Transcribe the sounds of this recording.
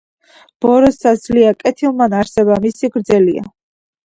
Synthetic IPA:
b̥ɔɾɔsasliakʼɛt̪ʰilˠmanaɾsɛbamisiɡɾd̪zɛlia̰

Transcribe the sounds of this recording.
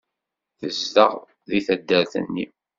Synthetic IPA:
θəzdə̰ʁ | ðiθæd̪ːəɾθə̰nːi

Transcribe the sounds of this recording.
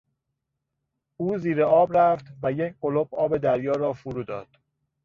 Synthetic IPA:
uːziːɾeɒːbɾæft̪væjecʰɢolob̚ɒːbe̞d̪æɾjɒːɾɒːfuɾuːd̪ɒːd̪̥

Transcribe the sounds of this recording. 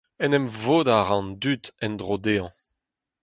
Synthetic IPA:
ɛnɛmvoːd̪aʁɑ̃nd̪yt̪ɛnd̪ʁod̪eɑ̃

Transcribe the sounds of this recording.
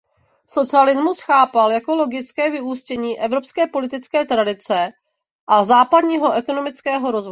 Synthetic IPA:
so̞t͡sɪalɪzmusxaːpaljako̞lo̞ɡɪt͡skɛːvɪʔuscɛɲiːʔɛvɾo̞pskɛːpo̞lɪt̪ɪt͡skɛːt̪ɾadɪt͡sɛ | ʔazaːpadɲiːɦo̞ʔɛko̞no̞mɪt͡skɛːɦo̞ɾo̞zvoj

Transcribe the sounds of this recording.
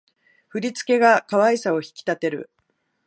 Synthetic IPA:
ɸɯ̟ɾʲit͡sɨ̥ke̞ɡakaβaisao̞çi̥kʲi̥t̪at̪e̞ɾɯ̟̰

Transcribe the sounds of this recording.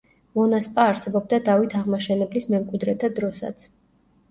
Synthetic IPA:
mɔnaspʼaːɾsɛbɔb̚d̪ad̪avit̪ʰaʁmaʃɛnɛblismɛmkʼwid̪ɾɛt̪ʰad̪ɾɔsa̰t̪sʰ

